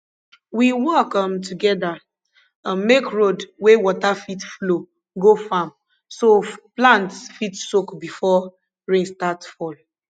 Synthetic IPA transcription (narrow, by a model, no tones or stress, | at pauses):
wiwɔkɔ̃mtʰuɡɛda | ãnmekɹodwewɔtafitflo | ɡofam | soplãntfitsokbifɔ | ɹẽnstatfɔl